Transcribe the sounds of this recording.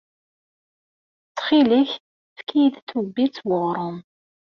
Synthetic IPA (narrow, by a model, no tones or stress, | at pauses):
t͡sːχiliç | θkːijd̪θubːit͡sːwəʁɾˤʊm